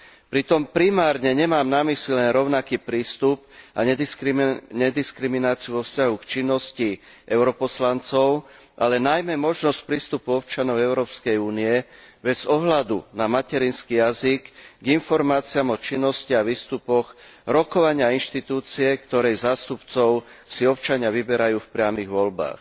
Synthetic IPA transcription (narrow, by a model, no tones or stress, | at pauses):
pɾit̪ɔmpɾimaːɾɲɛɲɛmaːmnamislilɛnɾɔʊnakiːpɾiːst̪up̚aɲɛskɲɛd̪iskɾiminaːt͡siuʋɔfscaɦukt͡ʃinːɔsci | ʔɛʊɾɔpɔslant͡sɔʊ | ʔa̰lɛnajmɛmɔʒnɔsc̚pɾiːst̪upuɔpt͡ʃanɔʊɛʊɾɔːpskɛjuːniɛbɛzɔɦlad̪unamacɛɾiːnskijaziɡɡinfɔɾmaːt͡siamɔt͡ʃinːɔsciaʋiːst̪upɔxɾɔkɔʋaɲɪainʃt̪it̪uːt͡siɛkt̪ɔɾɛjzaːst̪upt͡sɔʊsiɔpt͡ʃaɲɪaʋibɛɾajuːfpɾɪamiɣʋɔlba̰ːx